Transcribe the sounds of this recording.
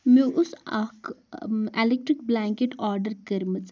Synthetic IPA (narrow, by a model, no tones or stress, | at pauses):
meʔʊsak | elek̚ʈɾik̚blaːŋkeʈɔːɾɖəɾkɐɾmɐt͡s